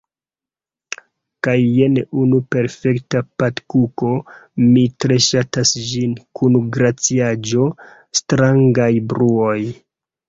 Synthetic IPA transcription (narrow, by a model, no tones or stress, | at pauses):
kajːe̞neunupe̞ɾfe̞ktapatkukomitɾe̞ʃatasd͡ʒinkunɡɾat͡siad͡ʒo̞ | stɾaŋɡajbɾuo̞j